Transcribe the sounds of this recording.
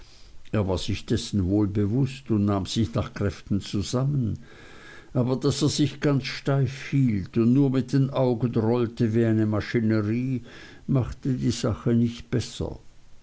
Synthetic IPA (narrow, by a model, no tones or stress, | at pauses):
ʔeːɐvaːɐz̥ɪçd̥ɛsn̩voːlbəvʊstʊndnaːmz̥ɪçnaːχkʁ̥ɛftn̩t͡suzamən | ʔaːbɐd̥aseːɐzɪçɡ̥ant͡sʃtaɪfhiːltʊndnuːɐmɪt̚d̥eːnʔaʊɡənʁɔltəviːaɪnəmaʃinəʁiː | maχtədiːzaχənɪçt̚b̥ɛsɐ̰